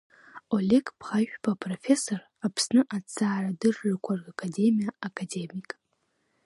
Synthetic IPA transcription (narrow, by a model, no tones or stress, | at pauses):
olʲekpʰχaʃᶣbapʼrofe̞so̞r | apʰsnɨʔat͡saːradɨrːakʷʰarɡakʰade̞mijaakʰʼade̞mikʼ